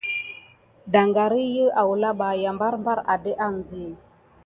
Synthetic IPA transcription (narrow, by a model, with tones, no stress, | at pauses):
da˨ŋɡa˨ɾi˦jə˦ʔa˨wu˨la˦ɓa˨ja˨mba˦ɾmba˦ɾa˨də˦ʔa˦˨ŋ˨zi˨